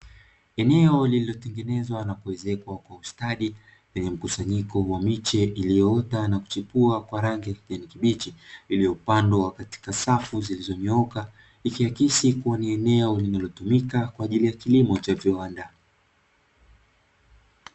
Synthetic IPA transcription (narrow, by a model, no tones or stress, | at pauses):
ɛnɛɔlililɔtɛŋɡɛnɛzwanakuwɛzɛkwakwaustaɗi | pɛɲɛm̩kusaɲikɔwamit͡ʃɛʔilijɔɔtanaku̥t͡ʃipuakwaɾaŋɡiakiʄanikiɓit͡ʃiilijɔupandɔwakati̥kasafuzilizɔmɛɔka | ikiakisikuwaniɛnɛɔlinalɔtumikakwaːʄilijakilimɔt͡ʃaviwanda